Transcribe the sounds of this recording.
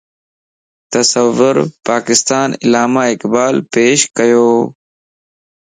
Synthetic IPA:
t̪əsəʋʊɾpaːkɪst̪aːnɪ̰laːmaːɪkbaːlpeːʃkəjoː

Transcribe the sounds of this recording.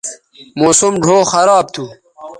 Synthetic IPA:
moːsumɖʱoːxɐɾaːb̚t̪ʰu

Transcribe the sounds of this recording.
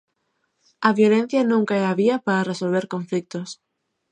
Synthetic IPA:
ɐβjolẽn̟θjɐnũŋkaɛaβiɐpaɾɐresolβeɾkõɱflik̚t̪ʊs

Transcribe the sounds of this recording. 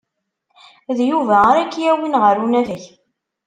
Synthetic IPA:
ðjuvæaɾækːjæwinʁəɾunæðəç

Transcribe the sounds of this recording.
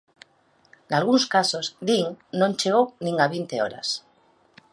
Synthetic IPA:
nalɣ̞unskasozðiŋnõnt͡ʃeɣ̞ownĩŋaβint̪eo̰ɾa̰s

